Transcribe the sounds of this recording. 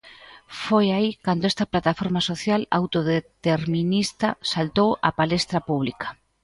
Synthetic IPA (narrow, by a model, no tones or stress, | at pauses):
fojaikand̪oɛst̪ɐplat̪afoɾmɐsoθjala̰wt̪oðet̪eɾmĩnist̪ɐsalt̪owɐ̰palest̪ɾɐpuβ̞likɐ̥